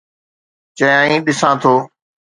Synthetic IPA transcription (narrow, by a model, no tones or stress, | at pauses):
t͡ʃəjãːĩːɗɪsãːt̪ʰoː